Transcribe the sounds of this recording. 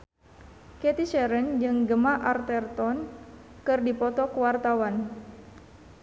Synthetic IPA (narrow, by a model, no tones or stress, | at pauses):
kɛt̪it͡ʃɛɾənd͡ʒɨŋɡəmaʔart̪ɛrt̪ɔnkɨrdipɔt̪ɔkəwart̪awan